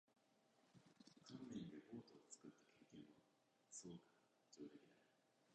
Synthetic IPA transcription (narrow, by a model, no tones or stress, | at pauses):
kʰãmmẽnd̪ebo̞ːt̪oːt͡sɨ̥kɯt̪ːḁkʲʰe̞ːkẽɰ̃βa | sɨokɯ̥ | t͡ɕoːd̪e̞kʲinai